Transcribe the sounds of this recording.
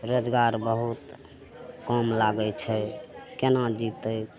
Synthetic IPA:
ɾod͡ʒɡaɾbəɦut̪ | kɔmlaɡɛt͡ʃʰɛkenad͡ʒit̪ə

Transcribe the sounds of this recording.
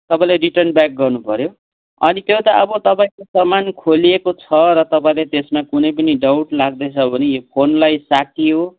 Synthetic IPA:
t̪ʌpãĩleɾiʈʌrnbak̚ɡʌrnupʌɾjo | ʌ̰nit̪jot̪ʌʔʌbʌt̪ʌpaĩkosʌmːankʰoliekot͡sʰʌɾʌt̪ʌpaĩlet̪esmakunʌjp̬ʌniɖawʈlaɡ̚d̪ʌt͡sʰʌbʱʌnejopʰonlajsakiɦo

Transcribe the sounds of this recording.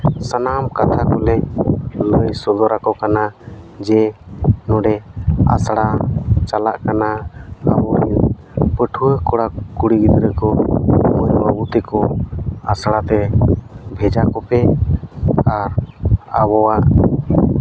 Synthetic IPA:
sanamkat̪ʰakɔlɛləjsɔd̪ɔɾakɔkanad͡ʒɛnɔɖɛa̰sɽat͡ʃala̰ʔkanaa̰bɔɾi | pəʈʰuwəkɔɽakuɽiɡid̪ɾəkɔməjbabut̪ɛkɔa̰sɽat̪ɛ | bʱɛd͡ʒakɔpɛ | aɾawɔwaʔ

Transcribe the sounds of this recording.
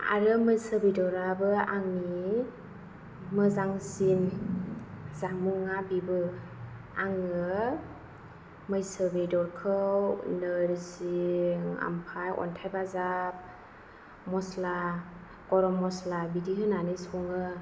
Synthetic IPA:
a̰ɾɯmɯjsəbedɔɾabɯaŋni | mɯzaŋsin | zamuŋabibɯ | aŋɯ | mɯjsəbedɔɾkʰɯwnɯɾsiŋa̰mpʰajɔ̰ntʰajbazap̚ | mɔsla | kɔɾɔmɔslabidiɦɯnanɯsɔŋɯ

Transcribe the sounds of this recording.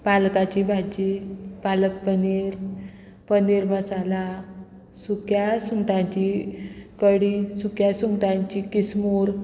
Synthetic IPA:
palkat͡ɕibʱad͡ʑipalək̚pəniɾ | pəniɾməsala | sukjasuŋʈãɲt͡ɕikəɽisukjasuŋʈ̪ãɲt͡ɕikismuɾ

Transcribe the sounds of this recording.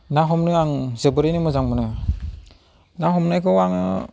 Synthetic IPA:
naɦɔmnɯaŋzɯbɯɾijnɯmɯzaŋmɯnɯ | naɦɔmnajkʰɯwaŋɯ̰

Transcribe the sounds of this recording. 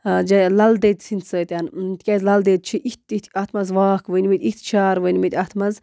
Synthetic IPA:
d͡ʒɐlɐld̪eːd̪sinsəːt̪ʲant̪kʲɛzlɐld̪eːd̪̚t͡ʃʰiʔit̪ːit̪ʰɐt̪ʰmɐzʋaːkʋənʲmit̪ʲit̪̚ʰt͡ʃʰaːɾʋənʲmit̪ʲɐt̪ʰmɐz

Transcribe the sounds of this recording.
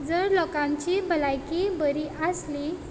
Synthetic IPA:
d͡zəɾlɔkãɲt͡ɕibʱəlajkibəɾiʔəsli

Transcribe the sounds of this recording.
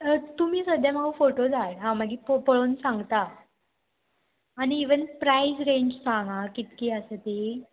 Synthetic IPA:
t̪um̤iːsəd̪ʱjamaufoʈod͡zʱaʈɦãməɡiːpopəɭonsãŋɡt̪a | niːʋənpɾaisɾẽɲd͡ʑsãŋɡakit̪kiːəsət̪i

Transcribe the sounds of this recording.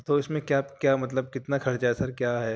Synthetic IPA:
t̪oɪsmẽkjakjaːmɐt̪̬ləb̚kɪt̪nakʰɐɾt͡ʃaɦɛsɐɾkjaːɦɛː

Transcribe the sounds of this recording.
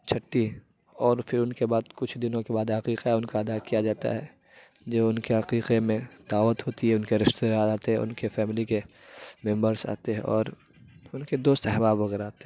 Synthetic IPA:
t͡ʃʰɐʈːi | ɔːɾfɪɾʊnkebaːd̪kʊt͡ʃʰd̪ɪnõkebaːd̪ɦɐqiːqaʊnkaɐd̪akijad͡ʒaːt̪a̰ɦɛ | d͡ʒoːʊnkeɦɐqiːqemẽd̪aːʋət̪ɦoːt̪iɦɛʊnkeɾɪʃt̪eaːd̪aːt̪eɦɛ̃ʊ̰nkefɛːmɪlike | mɛ̃mbəɾsa̰ːt̪eɦɛ̰̃ɔːɾ | ʊnked̪oːst̪ɦɛbaːbʋɐɣɛɾaːt̪e

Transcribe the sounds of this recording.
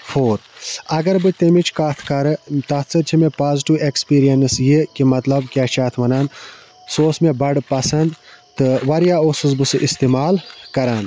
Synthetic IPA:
fʰoːɾɐɡɐɾbɨt̪emit͡ʃʰkat̪ʰkɐɾɨt̪ɐt͡sɨt͡ʃʰimepaːziʈiʋekspiːɾijɐnsjekimɐt̪lɐbkʲaːʃaːt̪ʰmɐnaːn | soːsmebɐɖpɐsɐnd̪t̪ɨʋɐɾijaːosɨsbɨsɨʔist̪emaːlkɐɾaːnd̪

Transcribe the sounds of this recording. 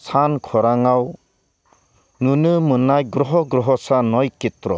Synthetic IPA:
sʰankʰɔɾaŋaw | nunɯmɯnajɡɾɔɦɔɡɾɔɦɔsanɔjkitɾɔ

